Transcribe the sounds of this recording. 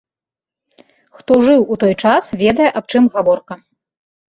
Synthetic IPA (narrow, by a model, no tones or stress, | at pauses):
xt̪ɔʐɨwut̪ɔjt͡ʂasvʲɛd̪ɐjɛʔap̚t͡ʂɨmɣavɔrkɐ